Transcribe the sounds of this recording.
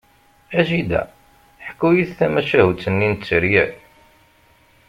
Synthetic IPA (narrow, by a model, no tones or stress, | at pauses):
æʒid̪æ̰ | ħə̥kːujiθθæmæʃæhut͡sːənːint͡sːəɾjæ